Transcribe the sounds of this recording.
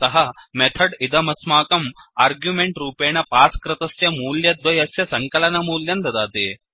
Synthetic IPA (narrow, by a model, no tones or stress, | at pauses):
t̪ɐɦɐmet̪ʰɐɖid̪ɐmɐsmaːkɐmaːɾɡjumeɳʈɾuːpeːɳɐpaːskɾɪt̪ɐsjɐmuːljɐd̪ʋɐjɐsjɐsɐŋkɐlɐnɐmuːljɐnd̪ɐd̪aːt̪i